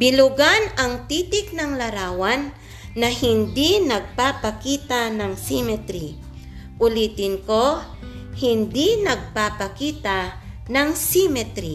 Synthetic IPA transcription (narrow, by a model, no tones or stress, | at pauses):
bɪlʊɡanɐŋt̪iːt̪ɪk̚nɐŋlɐɾaːwanː | ɐhɪnd̪inɐɡ̚paːpɐkiːt̪anɐŋsimɛt̪ɾi | ʔʊliːt̪ɪnko | hɪnd̪inɐɡ̚papɐkiːt̪a | nɐŋsimɛt̪ɾi